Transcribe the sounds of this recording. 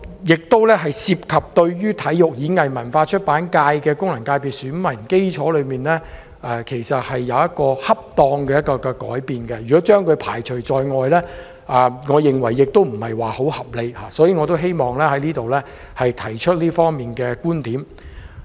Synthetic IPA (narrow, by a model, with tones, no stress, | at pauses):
jɪ˨k̚t̪o˥wlɛː˥ɦɐ˨jsiː˧p̚kʰɐ˨p̚t̪ɵ˧ɥjyː˥t̪ʰɐ˨˥jʊ˨k̚jiː˨˥ŋɐ˨jmɐ˨˩nfaː˧t͡ʃʰɵ˥t̚paː˨˥nkaː˧jkɛː˧kʊ˥ŋlɐ˨˩ŋkaː˧jpiː˨t̚syː˨˥nmɐ˨˩nke˥jt͡ʃʰɔː˨˥lɵ˨˧ɥmiː˨nlɛː˥ | ʔɛː˨kʰe˨˩jsɐ˨t̚hɐ˨jːɐ˨˧wjɐ˥t̚kɔː˧hɐ˥p̚t̪ɔː˧ŋkɛː˧jɐ˥t̚kɔː˧kɛː˧kɔ̰ː˨˥jpiː˨nkɛ˧jyː˨˩kɔː˨˦˥t͡ʃœː˥ŋkʰɵ˨˧ɥpʰaː˨˩jt͡ʃʰɵ˨˩ɥt͡sɔː˨˧jŋɔː˨jlɛː˥ | ʔɛː˨ŋɔː˨˧jɪ˨ŋwɐ˨˩jːɪ˨k̚t̪o˥wm̩˨˩hɐ˨jwaː˨ho˨˥whɐ˨p̚le˨˧jhaː˨˧sɔː˨˥jiː˨˧ŋɔ˨˧t̪o˥wɦe˥jmɔː˨ŋlɛː˥hɐ˨˥jliː˥t̪o˨wlɛː˥ | hɐ˨jt̪ʰɐ˨˩jt͡ʃʰɵ˥t̚liː˥fɔː˥ŋmiː˨nkɛː˧kuː˥nt̪iː˨˥m